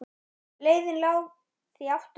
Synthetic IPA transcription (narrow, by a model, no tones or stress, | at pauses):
leːjðɪnlaːw | θviawft̪